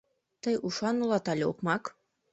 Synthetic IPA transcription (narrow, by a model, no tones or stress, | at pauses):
t̪ɤjʔuʃɑnulˠɑt̪ɑlʲeukmɑk